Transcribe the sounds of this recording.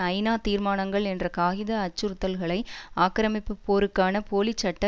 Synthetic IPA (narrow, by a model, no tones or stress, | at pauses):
ɐɪnaːt̪iːɾmaːnɐŋɡɐɭɛndrɐkaːɣɪðɐːt͡ʃːɯɾɯt̪ːɐlɣɐɭɐɪaːkɾɐmɪpːɯpːoːɾɯkːaːnɐpoːlit͡ʃːɐʈːɐ